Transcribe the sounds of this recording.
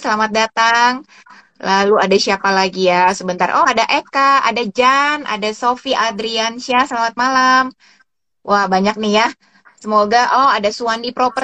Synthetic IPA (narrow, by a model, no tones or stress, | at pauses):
səlamat̪̚dat̪aŋ | laluadasiapalaɡijasəbənt̪a̰rʔɔadaʔekaa̰dad͡ʒanʔa̰dasofiʔad̪ɾiansiasəlamat̪̚malam | wʔahbaɲak̚nihja | səmoɡaʔɔadasuandipɾopə